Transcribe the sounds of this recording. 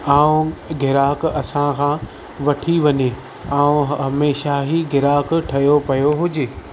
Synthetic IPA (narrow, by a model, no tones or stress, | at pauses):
aːũɡʱɪɾaːkɐsãkʰãː | ʋɐʈʰiʋɐɲe | aːũɦɐmeːʃaɦiɡʱɪɾaːkʈʰɐjopɐjoɦʊd͡ʑeː